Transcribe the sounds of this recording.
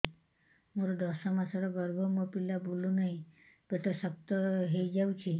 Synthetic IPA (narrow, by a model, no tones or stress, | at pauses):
moɾɔd̪ɔsɔmasɔɾɔbɔɾbʱɔmɔpilabulunaĩ | beʈɔsɔp̚t̪ɔɦejd͡ʒawt͡ʃʰi